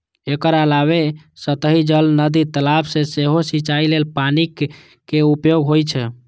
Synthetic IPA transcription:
ekəɾəlaβe | sət̪əɦid͡ʒəlnəd̪it̪əlapʰsẽseɦosit͡ʃailelpanik | keupjoɡɦojt͡ʃʰɛ

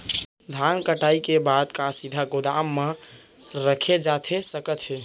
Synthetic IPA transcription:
d̪ʱankəʈaikebad̪kasid̪ʱaɡod̪amːe | ɾəkʰed͡ʒat̪ʰesəkət̪ɦe

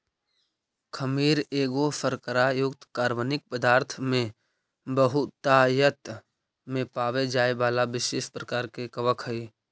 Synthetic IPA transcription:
kʰəmiːɾeːɡofəɾkəɾajʊɡt̪kaːɾʋənɪk̚pəd̪aːɾt̪ʰmẽ | bəɦʊt̪ajət̪ | mẽpaːʋed͡ʒaːeʋaːlaʋɪʃeːʃpɾəkaːɾkekəʋəkʰəiː

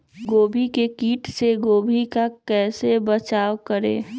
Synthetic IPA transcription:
ɡoːbʱikekiːʈseɡoːbʱikakɛːsebət͡ʃaːwkəɾḛ̃ː

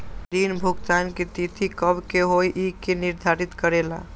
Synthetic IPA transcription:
ɾinbʱuɡt̪anket̪it̪ʰikəbkeɦojʔikeniɾd̪ʱaɾit̪kəɾela̰

